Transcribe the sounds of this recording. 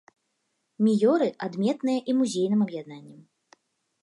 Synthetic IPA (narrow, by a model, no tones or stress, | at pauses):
mʲijɔɾɨʔad̪mʲɛt̪nɨjɐʔimuzʲejn̪ɨmɐbjad̪nanʲːɐm